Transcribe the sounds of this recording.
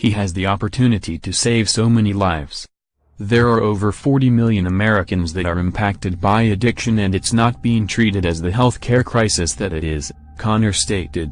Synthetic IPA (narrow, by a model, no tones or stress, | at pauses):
hiɨzðiɑpə˞tʰʉnɨɾiɾɨseɪv̥soʊmɛnilaɪfs | ðə˞ɑɹoʊvə˞fɔɹɾimɪlˠjɨ̃nəmɛɹɨkɨ̃nzðɨɾə˞ɨ̃mpʰæk̚tɨd̚baɪɨdɪkʃɨ̃nɨ̃nɨtsnət̚b̥iɪ̃ŋtʰɹ̥iɾɨɾɨzðɨɦɛlˠθkʰɛɹkʰɹ̥aɪsɨsðɨɾɨɾɪz̥ | kʰɑ̃nə˞steɪɾɪd̥̚